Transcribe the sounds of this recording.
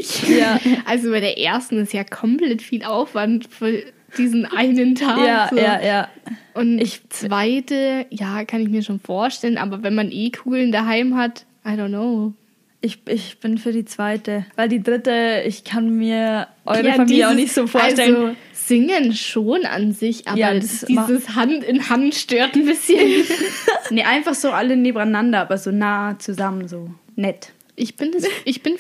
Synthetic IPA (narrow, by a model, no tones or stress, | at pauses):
ɪçjaːʔalzobaɪɾeːɐʔḛːɐstn̩ɪstjaːkʰɔmplɛtfiːlʔaʊfv̥antfyːɐ | d̥iːzn̩ʔaɪnəntʰaːjaːzojːjaːʔʊntɪçt͡sv̥aɪtəjaːkʰanɪç̬miːɐʃoːnfoːɐʃtɛlənʔa̰ːbɐvɛnmanʔeːkʰuːɡl̩ndaɦaɪmɦat | ʔaɪɾoʊntːoʊ | ʔɪçʔɪçb̥ɪnfyːɐdiːt͡sv̥aɪtəvaɪldiːdʁɪtəɪçkʰanmiːɐʔɔʏʁəfamiːljəaʊnɪçtz̥oːfoːɐalʃtɛzo | z̥ɪŋənʃoːnʔa̰nzɪçʔa̰ːɐdiːzəshantɪnhantʃtøːɐtn̩bɪsçən | nəʔaɪnfaχz̥oːʔaləneːbm̩aɪnandɐʔaːbɐzoːnaːt͡suzamənzoː | nɛt | ʔɪçb̥ɪnʔɪçb̥ɪn